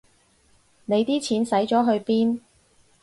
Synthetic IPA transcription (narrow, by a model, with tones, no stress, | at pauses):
ne˨˧jt̪iː˥t͡sʰiː˨˥nsɐ˨˥jt͡ʃɔː˨˥ɦɵ˧ɥpiː˥n